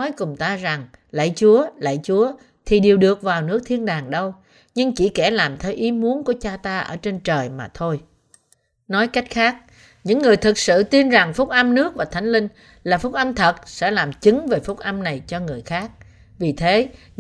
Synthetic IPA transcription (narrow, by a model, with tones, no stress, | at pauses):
ɔ˨˦jkʊ˨˩ŋ͡mt̪aː˧za˨˩ŋ | la̰˧˨jt͡ɕu˨˦əla̰ː˧˨jt͡ɕu˨˦ə | t̪ʰi˨˩ɗi˨˩əwɗɨ˨˩ək̚vaː˨˩wnɨ˦˥ək̚t̪ʰi˧ənɗaː˨˩ŋɗə˧w | ɲɨ˧ŋt͡ɕi˧˩kɛ˧˩laː˨˩mt̪ʰe˨˦wʔi˨˦mu˨˦ənku˧˩ət͡ɕaː˧t̪aː˧ʔə̰ː˧˩t͡ɕe˧nt͡ɕəː˨˩jmaː˨˩t̪ʰo˧j | nɔ˨˦jka˦˥jk̟̚xaː˦˥k̚ | ɲɨ̰˧˥ŋːɨ˨˩əjt̪ʰɨ˨˩k̚sɨ̰˧˨t̪i˧nza˨˩ŋfʊ˦˥k͡p̚ʔə˧mnɨ˦˥ək̚vaː˨˩t̪ʰa˨˦jŋ̟lï˧ŋ̟ | laː˨˩fʊ˦˥k͡p̚ʔə˧mt̪ʰə˨˩t̚sɛ̰˧˥laː˨˩mt͡ɕɨ˨˦ŋve˨˩fʊ˦˥k͡p̚ʔə˧mna˨˩jt͡ɕɔ˧ŋɨ˨˩əjxaː˦˥k̚ | vi˨˩t̪ʰe˨˦